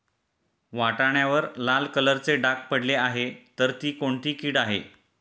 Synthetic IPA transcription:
ʋaʈaɳjaʋəɾlalkələɾt͡seɖakpəɽleaɦet̪əɾt̪iːkoɳt̪iːkiːɽaɦḛ

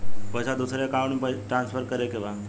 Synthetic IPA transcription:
pəjsad̪usɾekaʋuɳpəʈɾansfʰəɾkəɾekeʋa

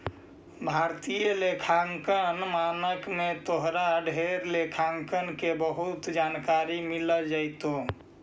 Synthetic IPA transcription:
bʱaːɾt̪ijəlekʰaŋkənmanəkmet̪oɦɾaɖʱeɾlekʰaŋkənkebəɦut̪d͡ʒankaɾimiləd͡ʒaɪt̪o

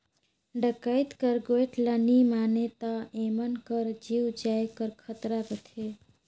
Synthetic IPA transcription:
ɖəkəjt̪kəɾɡoeʈʰlanimaːnet̪aemənkəɾd͡ʒiwd͡ʒajkəɾkʰət̪ɾaɾət̪ʰe

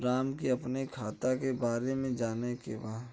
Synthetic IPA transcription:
ɾaːmkiɐpnekʰaːt̪akebaːɾemẽd͡ʒaːnekḛbaːd̪

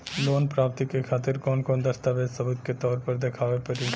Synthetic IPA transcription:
loːnpɾaːp̚t̪ikekʰaːt̪ɪɾkɔːnkɔːnd̪ɐst̪aʋeːsɐbʊd̪ket̪ɔːɾpɐɾd̪ekʰaːʋepɐɾiː

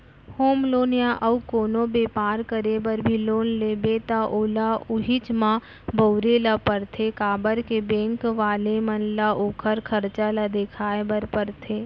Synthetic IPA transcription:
hoːmloːnjaʔɐukoːnõbeːpaːɾkəɾebəɾbʱiloːnleːbet̪aʔoːlaʊɦɪt͡ʃmã | bəʊɾeːlapəɾt̪ʰekaːbəɾkebẽːŋkʋaːlemənlaʔoːkʰəɾkʰəɾt͡ʃalad̪eːkʰaːebəɾpəɾt̪ʰeː

